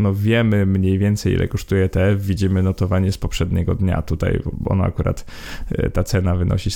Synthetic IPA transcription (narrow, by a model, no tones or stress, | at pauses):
nɔvʲjɛmɘmɲejvʲjɛnt̪sɛjḭlʔɛ̰kɔʂt̪ujɛt̪ɛɛfvʲid͡ʑimɘnɔt̪ɔvaɲɛspɔpʂɛd̪ɲɛɡɔd̪ɲa̰t̪ut̪a̰jɔ̰na̰a̰kuɾa̰t̪ | t̪at̪sɛnavɘnɔ̰ɕi